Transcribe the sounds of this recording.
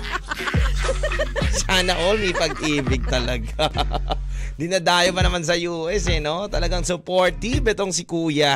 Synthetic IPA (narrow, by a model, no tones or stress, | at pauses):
saːnɐʔomipɐɡ̚ʔiːbɪɡ̚t̪ɐlɐɡa | d̪ɪnɐd̪aːjobɐnɐmans̬ɐjuːʔɛsɛno̞t̪ɐlɐɡaŋsʊpoɹt̪ibɛt̪o̞ŋsɪkuːjɐ